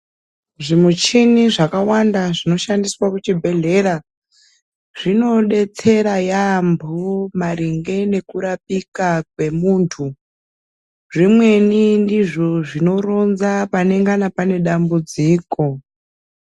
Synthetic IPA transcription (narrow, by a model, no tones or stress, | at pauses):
ʐimut͡ʃiniʐakawandaʐino̞ʃandiswakut͡ʃibʱe̞ɮe̞ɾa | ʐ̥ino̞ɗe̞t͡se̞ɾajambʱomaɾiŋɡe̞ne̞kuɾap̚ikakwe̞muːntʰu | ʐimwe̞nindiʐo̞ʐino̞ro̞nzapane̞ŋɡanapane̞ɗambud͡ziːko̞